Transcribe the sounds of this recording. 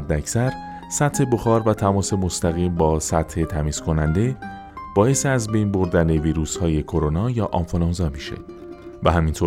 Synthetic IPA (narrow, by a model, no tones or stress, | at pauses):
d̪ːeæcʰsæɾ | sæt̪he̞boxɒːɾvæt̪ʰæmɒːse̞mo̞st̪æɣiːmbɒːsæt̪he̞t̪ʰæmiːz̥kʰo̞nænd̪e̞ | b̥ɒːje̞seæzbe̞jnbo̞ɾd̪æne̞viːɾuːshɒːje̞kʰo̞ɾonɒːjɒːʔɒɱfolɒnzɒːmiʃḛ | væɦæmint̪ʰo